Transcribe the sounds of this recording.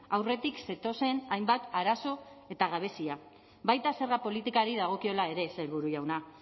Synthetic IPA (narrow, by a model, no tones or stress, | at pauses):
awre̞t̪ikse̞t̪o̞se̞najmbat̪aɾaso̞e̞t̪aɣ̞aβ̞e̞sia | βajt̪ase̞ɾɣapo̞lit̪ikaɾiðaɣ̞o̞kio̞lae̞ɾe̞selβuɾuʝawna